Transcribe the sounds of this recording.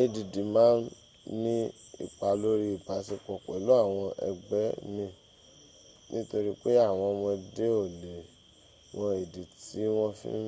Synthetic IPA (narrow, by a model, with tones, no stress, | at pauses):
e˧˨di˨di˨mãː˨˦n | nĩ˦ḭ˨k͡pa˨˦lo˦ɾi˧i˨ba˨˦si˧k͡pɔ˨k͡pɛ˨˦lo˨˦a˦˨w̃ɔ̃˧ʔɛ̰˧ɡ͡bɛ˨˦mĩ˧ | nĩ˦to˧ɾi˦k͡pe˦a˦˨w̃ɔ̃˧mɔ̃˧de˦o˦˨le˨ | w̃ɔ̃˧e˨di˨ti˨˦w̃ɔ̃˦fḭ̃˦